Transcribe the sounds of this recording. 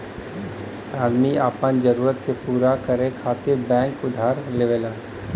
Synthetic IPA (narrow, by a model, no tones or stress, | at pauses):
aːd̪miaːpand͡ʒəɾuːɾət̪kepuːɾakəɾẽkʰaːt̪ebɛ̃ːŋkʊd̪ʱaːɾleʋelaː